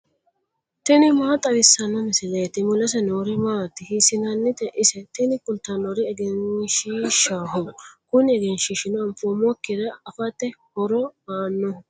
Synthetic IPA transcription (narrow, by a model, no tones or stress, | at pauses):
t̪ɛnɪmaːt̪ʼɐʋɪsːɐnɔmɪsɪlɐjt̪ːɪmʊlɐs̬ɛnoːɾɪmaːt̪ːɪhisɪnɐnːɪt̪ɛʔɪsɛt̪ɛnɪkʊlt̪ːɐnɔɾɪɛɡɛnʃiːʃaːɦɔkʊnɪɛɡɛnʃiːʃɪnɔɐmfomɔkːɪd̪ɐɐfɐt̪ːɛhɔɾɔmaːnːɔ